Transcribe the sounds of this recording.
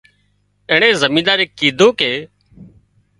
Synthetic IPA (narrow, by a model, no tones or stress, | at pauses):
eːɳ̃eːzəmĩːd̪aːɾeːkiːd̪ʱoːkeː